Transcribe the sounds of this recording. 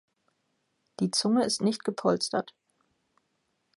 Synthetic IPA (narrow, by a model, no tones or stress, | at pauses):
d̥iːt͡sʊŋəɪstnɪçt̚ɡ̥əpʰɔlstɐ̰t